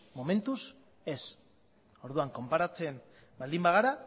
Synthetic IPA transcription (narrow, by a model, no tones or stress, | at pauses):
mo̞mẽ̞nt̪us | e̞s | o̞ɾðuaŋko̞mpaɾat͡sen | bald̪imbaɣ̞aɾa